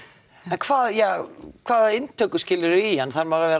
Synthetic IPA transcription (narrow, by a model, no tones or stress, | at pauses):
ɛnkʰv̥aːðjaːkʰvaːðɪnt̪ʰœwkʏscɪːlʏɾʏianːθaɾmawɾavɛːɾ